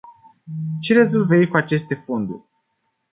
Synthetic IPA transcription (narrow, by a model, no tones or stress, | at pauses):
t͡ʃe̞ɾe̞zulveikuat͡ʃe̞st̪e̞fo̞nd̪ṵrʲ